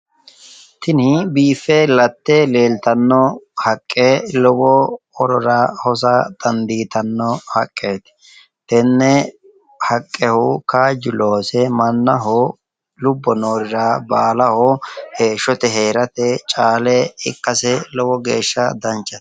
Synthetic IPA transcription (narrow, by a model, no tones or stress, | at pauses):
t̪ɪnɪbiːfːɛlɐt̪ːɛleːlt̪ɐnːɔhɐkʼːelɔwɔ | ɔɾɔɾɐhɔs̬ɐd̪̥ɐnd̪iːt̪ɐnːɔhɐkʼːeːt̪ | t̪ɛnːɛ | hɐkʼːɛhʊkaːd͡ʒɪloːsɛmɐnːɐɦɔ | lʊbːɔnoːɾɪɾabaːlɐhɔheːʃːɔt̪ɛɦeːɾɐt̪ɛt͡ʃʼaːlɛɪ̰kːɐsɛlɔwɔɡeːʃːɐd̪ɐnt͡ʃːɐt̪